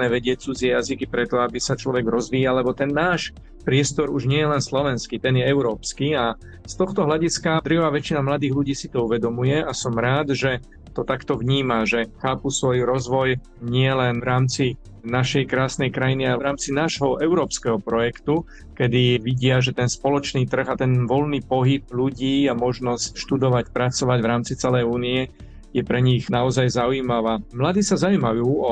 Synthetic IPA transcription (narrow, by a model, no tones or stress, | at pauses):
nɛʋɛɟɪɛt͡sud͡zɪɛjazikipɾɛt̪ɔabisat͡ʃlɔʋɛɡɾɔzʋiːjalɛbɔt̪ɛnːaːʃ | pɾɪɛst̪ɔɾuʒɲɪɛjɛlɛnslɔʋɛnskit̪ɛnjɛɛʊɾɔːpskia | st̪ɔxt̪ɔɦlaɟiskad̪rʋaːʋɛt͡ʃinamlad̪iːɣluɟiːsit̪ɔuʋɛd̪ɔmujɛʔasɔmɾaːd̪ʒɛ | t̪ɔt̪akt̪ɔʋɲiːmaʒɛxaːpusʋɔjuɾɔzʋɔj | ɲɪɛlɛnʋɾaːmt͡si | naʃɛjkɾaːsnɛjkɾajinialɛʋɾaːmt͡sinaːʒɦɔʔɛʊɾɔːpskɛɦɔpɾɔjɛkt̪u | kɛd̪iʋiɟɪaʒɛt̪ɛnspɔlɔt͡ʃniːt̪r̩ɣat̪ɛnʋɔlniːpɔɦib̚ʎuɟiːamɔʒnɔscʃt̪ud̪ɔʋacpɾat͡sɔʋaɟʋɾaːmt͡sit͡sɛlɛjuːniɛ | jɛpɾɛɲiɣnaɔzajzauiːmaʋaːmlad̪iːsazauiːmajuːɔ